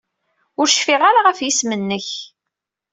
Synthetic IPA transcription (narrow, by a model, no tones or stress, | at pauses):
ʊɾʃfiʁaɾaʁafjismənːəç